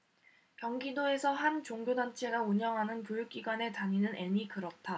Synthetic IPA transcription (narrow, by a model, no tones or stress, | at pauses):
kjʌŋɡidoe̞sʰʌhant͡ɕoŋɡjodant͡ɕʰe̞ɡauɲʌŋɦanɯnpjojuk̚k͈iɡwane̞taɲinɯnʔe̞mikɯɾʌt̚t͈ʰa